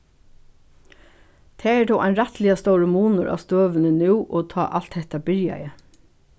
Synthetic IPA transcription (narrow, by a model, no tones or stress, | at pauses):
t̪ʰeːɛd̪ɔːʔæɪnɾɛt̪lɪast̪ɔʊɹəmuːnʊɹʔɑ̰ːʋst̪øːʋənənʉːʔoːt̪ʰɑ̰ːʔɑl̥t̪hɛht̪ɑbɪɹjɑ̰jə